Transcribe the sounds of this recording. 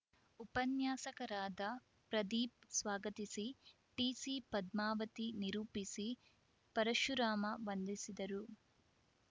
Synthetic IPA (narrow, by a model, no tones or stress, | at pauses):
upɐnjaːsɐkɐɾaːd̪ɐ | pɾɐd̪iːp̚sʋaːɡɐt̪isi | ʈiːsipɐd̪maːʋɐt̪iniɾuːpisi | pɐɾɐʃuɾaːmɐʋɐnd̪isid̪ɐɾu